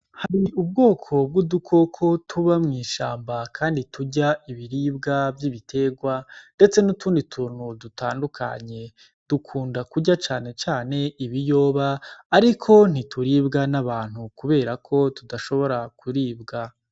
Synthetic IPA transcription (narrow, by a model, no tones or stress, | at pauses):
haɾiubɡo̞ːkʰo̞b̚ɡudukʰo̞kʰo̞tʰuβamŋiːʃaːmbakʰaːnditʰuɟaʔiβiɾiːbɡavjiːβitʰe̞ɡwande̞t͡se̞nutʰuːnditʰuːn̥hudutʰaːndukʰa̰ɲe̞ | d̥ukʰuːndakuɟat͡ʃaːne̞t͡ʃaːne̞ʔiβijo̞ːβaːɾikʰo̞n̥itʰuɾiːbɡanaβaːn̥hukuβe̞ːɾakʰo̞tudaʃo̞βo̞ɾakʰuɾiːbɡa